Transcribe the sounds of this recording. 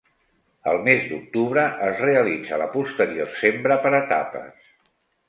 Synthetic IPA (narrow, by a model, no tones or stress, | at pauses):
ə̰lˠmezd̪uk̚t̪uβɾəʔəzreəlid͡zələpust̪əɾiorsembɾəpəɾət̪a̰pə̰s